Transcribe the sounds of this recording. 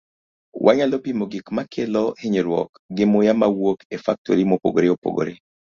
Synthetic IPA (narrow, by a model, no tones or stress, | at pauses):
wʔaŋalopimoɡɪkmakɛlɔhɪɲeɾwɔ̰k | ɡɪmʊjamawokefak̚to̰ɾimopo̰ɡoɾeopo̰ɡo̰ɾe